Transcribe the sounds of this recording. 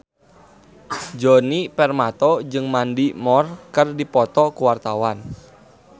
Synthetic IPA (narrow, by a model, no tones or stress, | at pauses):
d͡ʒɔnipɛrmat̪ɔd͡ʒɨŋmandimɔrkɨrdipɔt̪ɔkuwart̪awan